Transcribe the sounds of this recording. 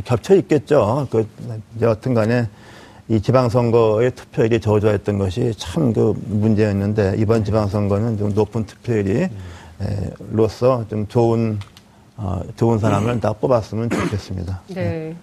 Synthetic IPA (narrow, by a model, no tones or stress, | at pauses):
kjʌp̚t͡ɕʰʌɾik͈e̞t̚t͡ɕ͈okɯd͡ʑeʌtʰɯnɡane | it͡ɕibaŋs̬ʰʌŋɡʌe̞tʰɯ̥pʰjʌɾit͡ɕʌd͡ʑuaet̚t͈ʌnɡʌɕʰit͡ɕʰaɯmkɯmund͡ʑe̞ʌnːɯnde̞ibʌnt͡ɕibaŋsʰʌŋɡʌnɯnt͡ɕomnopʰɯntʰɯ̥pʰjʌɾiḛɾos͈ʰʌt͡ɕomt͡ɕoun | ʌ̰t͡ɕounsʰaɾamɯɭnap͈obas͈ɯmɯnt͡ɕokʰe̞s͈ɯmɲḭdae